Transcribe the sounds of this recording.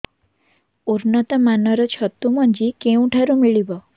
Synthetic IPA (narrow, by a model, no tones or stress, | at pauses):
uɾnɔt̪ɔmanɔɾɔt͡ʃʰɔt̪umɔnd͡ʒikeũʈʰaɾumiɭibɔ